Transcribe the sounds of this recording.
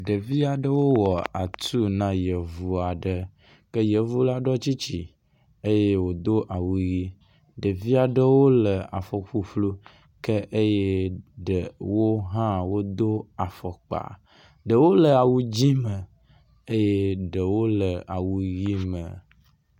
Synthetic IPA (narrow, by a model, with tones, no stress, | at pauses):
ɖə˨vi˦a˨ɖə˦wo˦wɔ˨a̰˨t̪u˦nã˦jə˨vu˦a˨ɖə˦ | kə˦jə˨vu˦la˦ɖɔ˦t͡ɕi˦t͡ɕi˨ | e˦je˦wo˨d̪o˦ʔa˨wu˨ji˦ | ɖə˨vi˦a˨ɖə˦wo˦lə˨a̰˨fɔ˨ɸu˨flu˦ | kə˦ʔe˦je˦ɖə˨wo˦ɦã˦wo˦d̪o˦a˨fɔ˨k͡pa̰˨ | ɖə˨wo˦lə˨a˨wu˦d͡ʑi˦mə˨ | e˦je˦ɖə˨wo˦lə˨a˨wu˦ji˦mə̰˨